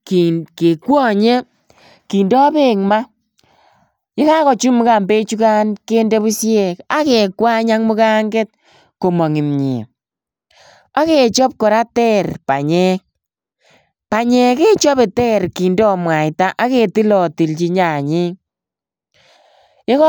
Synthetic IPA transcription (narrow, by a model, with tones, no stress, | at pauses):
kke˨kwɔ˦ɲe˦ | ki˨ndɔ˦be˨ŋma˦ | je˦ka˦kɔ˨t͡ʃu˦mʊ˦ka˨mbe˦t͡ʃu˦ka˦nke˦nde˦βu˦sjɛ˨ka˨˦ke˨kwa˦ɲa˦ŋmʊ˦ka˦ŋɡe˦t̚ | ko˨mɔ˨ŋɪ˨mɲɪ̰˨ | a˦ke˨t͡ʃɔ˦p̚kɔ˨ɾa˦tɛ˦ɾpa˨ɲɛ˦k̚ | pa˨ɲɛ˨ke˦t͡ʃɔ˦be˨tɛ˦ɾki˨ndɔ˦mwa˨jta˦ʔa˦ke˨ti˦lɔ˨ti˨lt͡ʃi˦ɲa˨ɲɪ˦ŋ | je˦k